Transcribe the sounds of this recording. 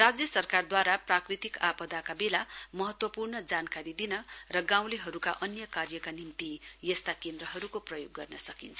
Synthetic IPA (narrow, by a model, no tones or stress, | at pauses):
rad͡zjʌsʌrkard̪waɾaprakrit̪ikapʌd̪akabelamʌɦʌt̪wʌpurnʌd͡zankaɾid̪inʌrʌɡãw̃leɦʌɾukaʔʌnjʌkarjʌkanimt̪ijʌst̪akend̪ɾʌɦʌɾukoprʌjoɡːʌrnʌsʌkint͡sʰʌ